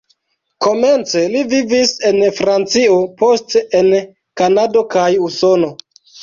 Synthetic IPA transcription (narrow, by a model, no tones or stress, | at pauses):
ko̞ment͡se̞livivise̞nfɾant͡sio̞po̞steen | kanado̞kajuso̞no̞